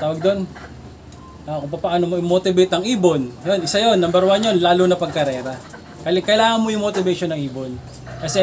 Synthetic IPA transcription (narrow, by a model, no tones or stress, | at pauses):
t̪aːwɐɡ̚d̪o̞n | ʔakʊŋpɐpɐʔaːnomoʔɪmot̪ɪbejt̪ɐŋʔiːbonjonʔɪsajo̞nːɐmbɐɾwaɲonlaːlonɐpɐɡ̚kɐɾɛːɾɐ | kɐlɪkɐjlaːŋɐnmojʊŋmot̪ɪbɛʃonɐŋʔiːbon | kɐsɛ